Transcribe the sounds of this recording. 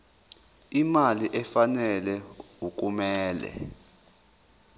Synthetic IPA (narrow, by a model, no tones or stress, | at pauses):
imaliʔɛfanɛlɛuk̬ʼumɛːlɛ̰